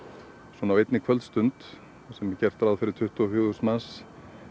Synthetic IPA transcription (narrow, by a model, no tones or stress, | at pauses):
swɔnawejt̪nɪkʰvœlt̪st̪ʏnt̪ | sɛmːɪcɛr̥t̪ɾaðfɪɾɪɾ̥t̪ʰʏht̪ufjʏːðʏsmans